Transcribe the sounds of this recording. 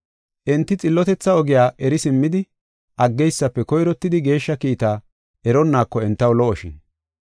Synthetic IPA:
ʔɛnt̪ːɪt͡sʼɪlːɔt̪ɛt͡sːɐɔɡɪjaːʔɛɾɪsɪmːɪd̪ɪ | ʔɐɡːɛjsːɐpːɛkɔjɾɔt̪ːɪd̪ɪɡe̞ːʃːɐkiːt̪aː | ʔɛɾɔnːaːkːɔɛnt̪ːɐwlɔʔɔʃɪ̰n

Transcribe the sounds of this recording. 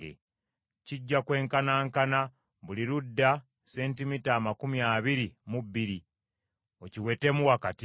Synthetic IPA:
ḛ | ciɟːakwe̞ːŋkanaːŋkana | βuliɾudːa | se̞ːntimitaːmakumjaːβiɾimubːiɾi | o̞ciwe̞ːte̞muwakati

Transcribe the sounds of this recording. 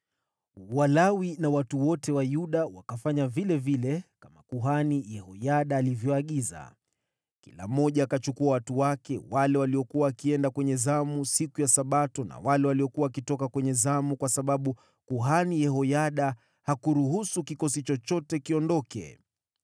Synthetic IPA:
walawinawatuwɔtɛwajuɗawakafaɲavilɛvilɛkamakuɦanijɛhɔjaɗaːlivjɔaɠiza̰ | kḭla̰m̩ːɔʄaːkat͡ʃukuawatuwakɛwalɛwaliɔkuwaːkiɛndakwɛɲɛzamusikujasaɓatɔna̰walɛwaliɔkuwawakitɔkakwɛɲɛzamukwasaɓaɓu | kuɦanijɛɦɔjaɗa | hakuɾuɦusukikɔsit͡ʃɔt͡ʃɔtɛkiɔndɔkɛ̰

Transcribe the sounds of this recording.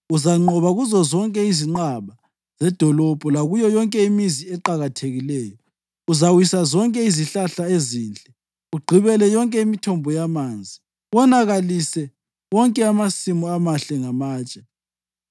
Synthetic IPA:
uzaŋ͡ǃɔβaɣuzɔzɔŋkʼɛiziŋ͡ǃaβa | z̥ɛd̥ʱɔlɔb̥ʱɔlaɣujɔjɔŋkʼɛimiziɛǃaɣatʰeɣilɛːjɔ | uzawisazɔŋkʼɛiziɬaɬaeziːnt͡ɬʼɛ | uɡ͡ǃʱiβɛlɛjɔŋkʼɛimitʰɔmbʱɔjamand͡zʱi | wɔnaɣalisɛ | wɔŋkʼɛamasimuamaɬɛŋamaːt͡ʃʼɛ̥

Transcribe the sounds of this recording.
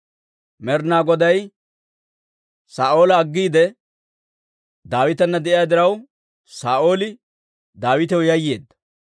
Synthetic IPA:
mɛɾnaːɡɔd̪ɐj | saːʔo̞ːlɐːɡːiːd̪ɛ | d̪aːwɪt̪ɐnːɐd̪ɛʔɪjad̪ɪɾɐw | saːʔo̞ːlɪ | d̪aːwɪt̪ɛwjɐjːe̞ːd̪ːɐ̥

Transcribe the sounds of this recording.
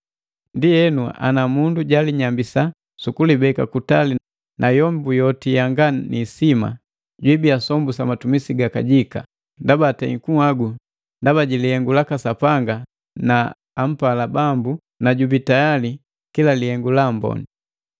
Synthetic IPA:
ndijɛnua̰namunduɟaliɲambisa | sukulibɛkakutali | nʔajɔmbujɔtijaŋɡanisima̰ | ɟwibiasɔmbusamatumisiɡakaɟika̰ | ndabatɛiŋkuhaɡu | ndabaɟilihɛŋɡulakasapaŋɡa | naː | m̩palabambu | naɟubitajali | kilalihɛŋɡulambɔ̰ni

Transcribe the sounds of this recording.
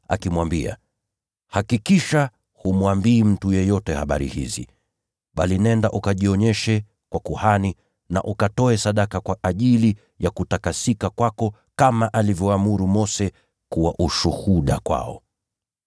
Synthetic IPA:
a̰kimwambia̰ | hakikiʃa | humwambiːm̩tujɛjɔtɛhaɓa̰ɾḭhḭzḭ | ɓalinɛndaʔukaʄiɔɲɛʃɛ | kwakuhani | na̰ʔukatɔɛsaɗakakwaʔaʄili | jakutakasikakwakɔ | kamaʔalivjɔamuɾumɔsɛ | kuwaʔuʃuhuɗa̰kwa̰ɔ̰

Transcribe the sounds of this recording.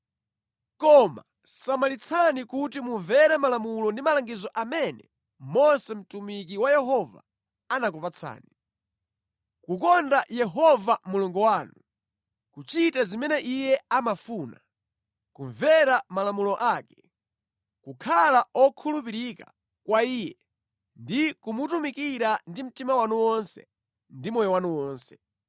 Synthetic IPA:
kɔma̰ | samalit͡sʰanikutimuɱvɛɾɛmalamulɔndimalaŋɡizɔʔamɛnɛ | mɔsɛm̩tumik̬iwajɛɦɔva̰ | anak̬upat͡sʰa̰ːni | kukɔndajɛɦɔvamuluŋɡɔwaːnu | kut͡ʃitazimɛnɛʔijɛamafuːna | kuɱvɛɾamalamulɔʔaːkɛ̥ | kukʰalaɔkʰulup̬iɾika | kwaiːjɛ | ndikumutumikiɾandim̩timawanuwɔnsɛ̰ | ndimɔjɔwanuwɔːnsɛ

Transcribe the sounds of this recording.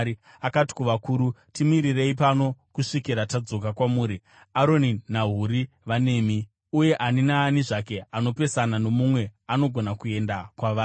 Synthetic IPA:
i | akati̥kuʋakuːɾutimiɾire̞ipano̞kuʂikiɾatad͡zo̞kakwamuːɾi | aɾo̞ninaɦuɾi | ʋane̞ːmi | uje̞ʔaninaːniʐake̞ano̞pe̞sanano̞mumwe̞ano̞ɡʱo̞nakue̞ndakwaʋaː

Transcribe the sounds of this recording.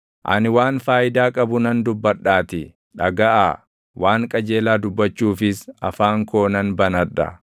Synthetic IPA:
ʔɐ̰nɪwaːnfaːjɪd̪aːkʼɐbʊnɐnd̪ʊbːɐᶑːaːt̪ɪ | ᶑɐɡɐʔa̰ː | waːŋkʼɐd͡ʒe̞ːlaːd̪ʊbːɐt͡ʃːuːfɪsɐfaːŋko̞ːnɐnbɐnɐᶑɐ̰

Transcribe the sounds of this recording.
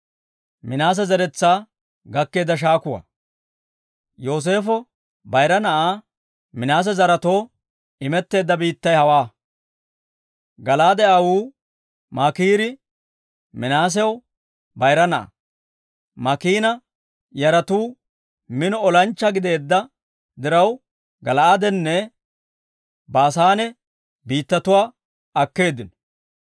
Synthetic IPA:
mɪnaːs̬ɛzɐɾɛt͡sːaː | ɡɐkːe̞ːd̪ːɐʃ̬aːkʊwɐ̰ | jo̞ːs̬e̞ːfɔ | bɐjɾɐnɐʔaː | mɪnaːs̬ɛzɐɾɐt̪oː | ɪmɛt̪ːe̞ːd̪ːɐbiːt̪ːɐjhɐwaː | ɡɐlaːd̪ɛʔawuː | mɐkiːɾɪ | mɪnaːs̬ɛw | bɐjɾɐnɐ̰ | mɐkiːnɐ | jɐɾɐt̪uː | mɪnɔɔlɐnt͡ʃːɐɡɪd̪e̞ːd̪ːɐ | d̪ɪɾɐw | ɡɐlɐad̪ɛnːɛ | baːsaːnɛ | biːt̪ːɐt̪ʊwaː | ɐkːe̞ːd̪ːɪnɔ

